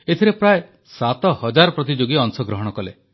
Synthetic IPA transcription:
et̪ʰiɾepɾae | sat̪ɔhɔd͡ʒaɾɔpɾɔt̪id͡ʒoɡiɔŋsɔɡɾɔɦɔɽ̃ɔkɔle

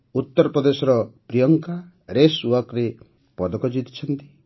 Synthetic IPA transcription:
ut̪ːɔɾɔpɾɔd̪esɔɾɔpɾijɔŋka | ɾeswɔkɾe | pɔd̪ɔkɔd͡ʒit̪i̥t͡ʃʰɔnt̪i̥

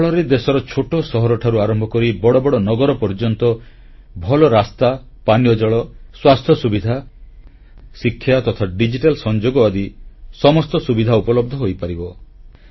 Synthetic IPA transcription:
ɭɔɾed̪esɔɾɔt͡ʃʰoʈɔsɔɦɔɾɔʈʰaɾuaɾɔmbʱɔkɔɾibɔɽɔbɔɽɔnɔɡɔɾɔpɔɾd͡ʒɔnt̪ɔ | bʱɔlɔɾast̪a | panijɔd͡ʒɔɭɔswast̪ʰjɔsubid̪ʱa | sikʰːjat̪ɔt̪ʰaɖid͡ʒiʈalsɔnd͡ʒoɡɔad̪isɔmɔst̪ɔsubid̪ʱaupɔlɔb̚d̪ʱɔɦojpaɾibɔ

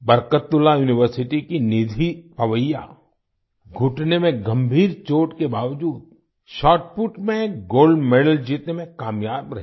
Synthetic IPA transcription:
bɐɾkət̪ːʊlajuːnɪʋəɾsɪʈikinɪd̪ʱipɐʋəjːa̰ | ɡʱʊʈnemẽɡɐ̃mbʱiːɾt͡ʃoːʈkebaːʋd͡ʒuːd̪̚ | ʃɔːʈpuʈmẽɡoːlɖmeːɖəld͡ʒiːt̪nemẽkaːmjaːbɾɐɦe

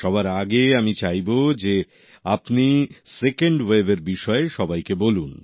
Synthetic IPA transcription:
ʃɔβaɾaɡeamit͡ɕajbod͡ʑe | apnisekeɳɖwebeɾbiʃɔeʃɔbajkebolun

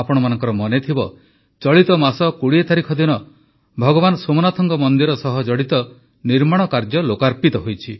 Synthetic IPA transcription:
apɔɽ̃ɔmanɔŋkɔɾɔmɔnet̪ʰibɔ | t͡ʃɔɭit̪ɔmasɔkuɽiet̪ʰaɾikʰɔd̪inɔ | bʱɔɡɔbanɔsomɔnat̪ʰɔŋkɔmɔnd̪iɾɔsɔɦɔd͡ʒɔɽit̪ɔ | niɾmaɽ̃ɔkaɾd͡ʒɔlokaɾpit̪ɔɦojt͡ʃʰi

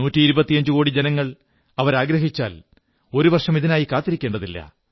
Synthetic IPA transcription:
nuːtːiːɾubɐt̪ːijɐɲd͡ʑuko̞ːɽid͡ʑenɐŋːɐɭ | ɐʋɐɾaːɡɾɐɦit͡ɕːa̰ːl | o̞ɾuʋɐrʂɐmiðinaːjikaːt̪ːiɾikʲːe̞ːɳɖɐðilːɐ̰

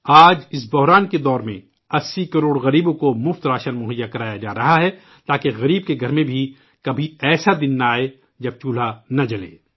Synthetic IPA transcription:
aːd͡ʒɪs̬bʊɦɾaːnked̪ɔːɾmḛ̃ | ɐsːikɐɾoːɽɣɐɾiːbõkomʊft̪ɾaːʃənmʊɦəjːakɐɾaːjad͡ʒa̰ːɾɐɦaɦɛ | t̪aːkeɣɐɾiːb̚keɡʱɐɾmẽbʱi | kɐbʱiɛːsad̪ɪnːaːe | d͡ʒɐb̚t͡ʃuːl̤anɐd͡ʒɐlḛː

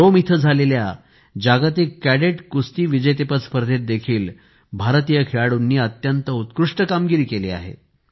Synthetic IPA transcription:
omit̪ʰəd͡zʱalelja | d͡ʑaɡat̪ekkːæɽeʈkust̪iːʋid͡ʑəjt̪epət̪spəɾd̪ʱet̪̚d̪ekʰiːl | bʱaɾt̪ijəkʰeɭaɽunːiːət̪jənt̪əut̪kɾuʂʈəkamɡiɾiːkelḛːa̰ɦḛ

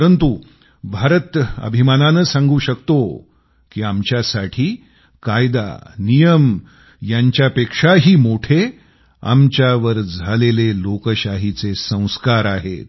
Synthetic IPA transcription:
ɾənt̪u | bʱaɾət̪ə̰bʱimananət͡ssãŋɡuːɕəkt̪o | kiːamt͡ɕjasaʈʰiː | kajd̪a̰nijəm | jaɲt͡ɕjapekʂaɦiːmoʈʰe | a̰mt͡ɕjaʋəɾd͡zʱalelelokəɕaɦit͡sesə̃w̃skaɾaɦḛt̪

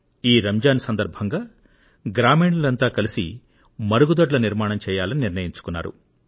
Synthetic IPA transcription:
iːɾɐmd͡ʒaːnsɐnd̪ɐɾbʱɐŋɡaː | ɡɾaːmiːɳulɐnt̪aːkɐlisḭ | mɐɾuɡud̪ɐʈlɐniɾmaːɳɐmt͡ʃɛːjaːlɐniniɾnɐjiɲt͡ʃu̥kunːa̰ːɾṵ

